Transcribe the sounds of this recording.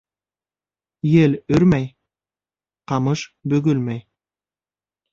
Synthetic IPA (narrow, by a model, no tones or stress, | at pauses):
jelɵɾmæj | qɑmɤʃbɵɡɵlmæj